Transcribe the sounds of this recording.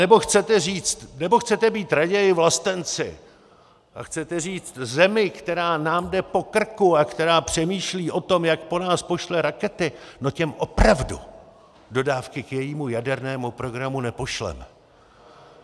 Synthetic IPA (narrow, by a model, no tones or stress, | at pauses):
nɛbo̞xt͡sɛt̪ɛriːt͡st̪nɛbo̞xt͡sɛt̪ɛbiːt̪ɾaɟɛjɪvlast̪ɛnt͡sɪ̰ | ʔa̰xt͡sɛt̪ɛriːt͡st̪zɛmɪkt̪ɛɾaːnaːmdɛpo̞kr̩kuakt̪ɛɾaːpr̝̥ɛmiːʃliːʔo̞t̪o̞mjak̚po̞naːspo̞ʃlɛɾakɛt̪ɪnocɛmʔo̞pɾavdṵ | do̞daːfkɪkjɛjiːmujadɛɾnɛːmupɾo̞ɡɾamunɛpo̞ʃlɛ̰m